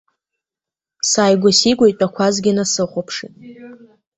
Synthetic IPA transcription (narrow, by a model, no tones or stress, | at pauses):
saːjɡʷasiɡʷojtʷʼakʷʰazɡʲɪnasɨχʷopʰʂḭtʼ